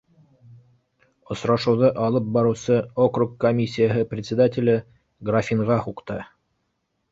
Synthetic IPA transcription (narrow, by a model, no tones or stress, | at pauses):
ŏsɾɑʃɤ̆wðɤʔɑlˠɤp̚bɑɾɤ̆wsɤokrukːomʲisʲːijəɦɤprʲɪt̪ʲsʲɪd̪atʲɪlʲɘ | ɡrafʲiɴʁɑhuqt̪ɤ